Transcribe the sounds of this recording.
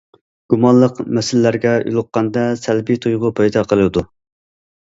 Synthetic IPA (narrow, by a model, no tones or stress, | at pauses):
ɡ̥umɑnlˠəqmɛsɪlːæɾɡʲɛy̰lˠʊqːɑnd̪ɛsælbit̪ʰujʁʊpʰɑjd̪ɑqʰəlˠɨɨd̪u